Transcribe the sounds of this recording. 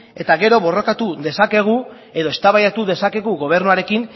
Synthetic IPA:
e̞t̪aɣe̞ɾo̞βo̞ro̞kat̪uðe̞sake̞ɣ̞u | e̞ðo̞e̞st̪aβajat̪uðe̞sake̞ɣuɣo̞β̞e̞ɾnuaɾe̞kin

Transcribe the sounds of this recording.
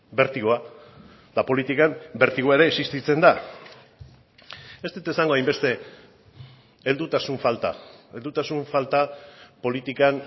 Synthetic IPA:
be̞ɾt̪iɣoa | ðapo̞lit̪ikambe̞ɾt̪iɣoaeɾe̞ːsist̪it͡se̞nd̪a | e̞st̪et̪aesaŋɡo̞ajmbe̞st̪e̞ | eld̪ut̪asuɱfalt̪a̰e̞ld̪ut̪asuɱfalt̪apo̞lit̪ikan

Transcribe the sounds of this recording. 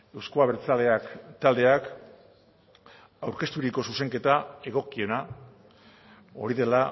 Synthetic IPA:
e̞wskoaβeɾt͡sale̞akt̪ald̪e̞ak | awɾke̞st̪uɾiko̞suse̞ŋke̞t̪ae̞ɣ̞o̞kio̞na | o̞ɾiðe̞la

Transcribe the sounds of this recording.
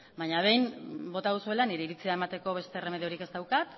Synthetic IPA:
baɲaβ̞e̞jmbo̞t̪aðusue̞laniɾe̞iɾit͡siae̞mat̪e̞ko̞β̞e̞st̪e̞ːre̞meðeo̞ɾike̞zt̪awkat̪

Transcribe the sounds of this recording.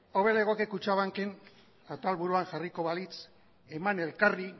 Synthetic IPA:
oβeleɣ̞okekut͡ʃaβaŋken | at̪alβuɾuaŋʝariko̞βalit͡s | emane̞lkari

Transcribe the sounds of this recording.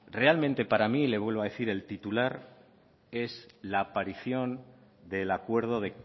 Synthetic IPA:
re̞almẽnt̪e̞paɾamile̞βwe̞lβað̞e̞θiɾe̞lt̪it̪ulaɾ | e̞slaːpaɾiθjo̞n | d̪e̞lakwe̞ɾð̞o̞ð̞e̞

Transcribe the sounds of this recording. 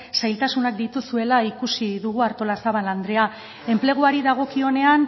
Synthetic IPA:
sajlt̪asunak̚d̪it̪usue̞laikusiðuɣ̞uaɾt̪o̞lasaβanand̪ɾe̞a | e̞mple̞ɣ̞uaɾiðaɣ̞o̞kio̞ne̞an

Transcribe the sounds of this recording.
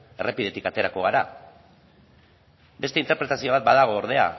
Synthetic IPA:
e̞rʔe̞pið̞e̞t̪ikat̪e̞ɾako̞ɣ̞aɾa | be̞st̪e̞int̪eɾpɾe̞t̪asio̞βat̪̚baðaɣ̞o̞ːɾð̞e̞a̰

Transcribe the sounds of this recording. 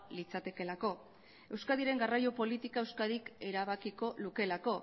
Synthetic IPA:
lit͡sat̪e̞ke̞lako̞ | e̞wskaðiɾe̞ŋɡarajopo̞lit̪ikae̞wskaðike̞ɾaβakiko̞luke̞lako̞

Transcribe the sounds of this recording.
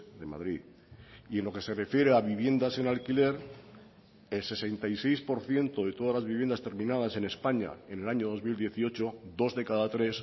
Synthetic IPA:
d̪e̞ma̰ðɾið | ie̞nlo̞ke̞se̞re̞fje̞ɾeaβiβ̞je̞nd̪ase̞nalkile̞ɾ | e̞lse̞se̞nt̪ajse̞jspo̞ɾθje̞nt̪o̞ðe̞t̪o̞ð̞azlazβiβje̞nd̪ast̪eɾmĩnað̞ase̞ne̞spaɲa̰e̞ne̞laɲo̞ðo̞zmild̪je̞θio̞t͡ʃo̞d̪o̞zðe̞kaðat̪ɾe̞s

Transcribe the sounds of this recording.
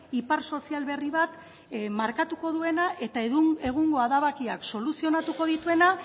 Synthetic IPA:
ipaɾso̞sialβe̞riβat̪ | maɾkat̪uko̞ðue̞naʔe̞t̪aeɣue̞ɣ̞uŋɡo̞aðaβakiakso̞lusio̞nat̪uko̞ðit̪ue̞na

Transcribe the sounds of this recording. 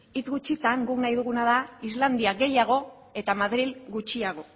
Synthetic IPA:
it͡sɡut͡ʃit͡s̪aŋɡuknajðuɣ̞unaðaizland̪iaɡe̞jaɣ̞o̞ | e̞t̪amaðɾilɡut͡ʃiaɣ̞o̞

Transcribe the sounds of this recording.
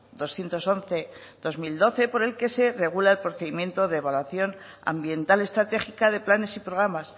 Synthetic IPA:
d̪o̞sθje̞nt̪o̞so̞nθe̞ðo̞zmild̪o̞θe̞po̞ɾe̞lke̞se̞re̞ɣ̞ulaelpɾoθe̞ðimjẽ̞nt̪o̞ðe̞ːβalwaθjo̞n | a̰mbje̞nt̪ale̞st̪ɾat̪e̞χikaðe̞plane̞sipɾo̞ɣ̞ɾamas

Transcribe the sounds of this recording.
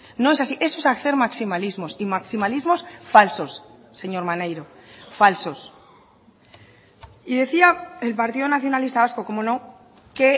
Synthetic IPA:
noe̞s̬asiʔe̞soesakθe̞ɾmaksimalizmo̞simaksimalizmo̞sfalso̞sː | e̞ɲo̞ɾmane̞jɾo̞falso̞s | iðe̞θiaelpaɾt̪iðonaθjonalist̪aβasko̞ko̞mo̞nõ̞ | ke̞

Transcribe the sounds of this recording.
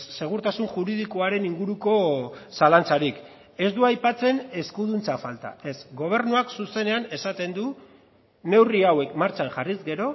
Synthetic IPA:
se̞ɣ̞uɾt̪asunʝuɾið̞iko̞aɾe̞niŋɡuɾuko̞salant͡saɾik | e̞zd̪uajpat͡se̞ne̞skuð̞unt͡safalt̪a̰e̞sɡo̞β̞e̞ɾnuaksuse̞ne̞ane̞sat̪e̞nd̪u | ne̞wriawe̞kmaɾt͡ʃaŋʝarizɡe̞ɾo̞

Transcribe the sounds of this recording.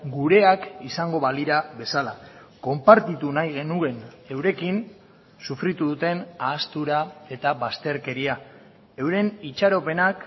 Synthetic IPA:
ɡuɾe̞akisaŋɡo̞βaliɾaβe̞sala | ko̞mpaɾt̪it̪unajɣe̞nue̞n | e̞wɾe̞kin | sufɾit̪uðut̪e̞naːst̪uɾae̞t̪aβast̪e̞ɾke̞ɾia | e̞wɾe̞nit͡ʃaɾo̞pe̞nak

